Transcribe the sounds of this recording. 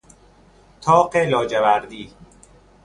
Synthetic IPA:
t̪ʰɒːqelɒːd͡ʒevæɾd̪iː

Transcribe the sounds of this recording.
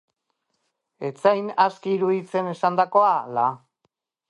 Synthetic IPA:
e̞t͡sajnaskiːɾuðit͡se̞ne̞sand̪ako̞ala

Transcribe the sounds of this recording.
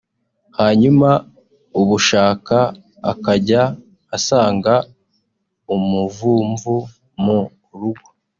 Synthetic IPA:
haɲuma | uβuʃaːka̰ː | kaɟaː | saːŋɡa | umuvuːɱvu | mu | ɾuɡwa

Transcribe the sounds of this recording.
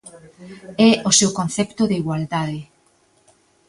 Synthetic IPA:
ɛosewkõn̟θɛpt̪oðeiɣwald̪aðe

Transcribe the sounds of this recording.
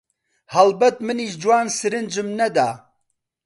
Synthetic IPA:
hɐlbɐt̪mɨniːʃd͡ʒwaːnsɨɾɨnd͡ʒɨmnɐd̪a̰ː

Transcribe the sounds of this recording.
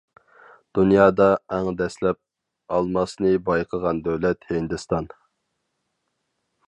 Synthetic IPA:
d̪̥unjɑːd̪ɑɛŋd̪ɛslɛp̚ | ɑlˠmɑsnɨbɑjqʰəʁɑnd̪øwlɛt̪hɪnd̪ɨst̪ɑn

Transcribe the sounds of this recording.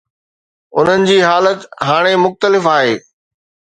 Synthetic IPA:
ʊ̰n̤ənɪ̆d͡ʑiːɦaːlət̪ɦaːɽ̃emʊxt̪əlɪfaːɦeː

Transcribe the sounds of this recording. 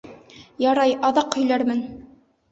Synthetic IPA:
jɑɾɑjʔɑðɑqhɵ̆jlæɾmɘn

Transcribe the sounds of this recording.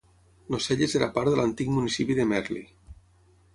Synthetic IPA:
noseʎezeɾapaɾðəlant̪ikmunisipiðemɛɾlḭ

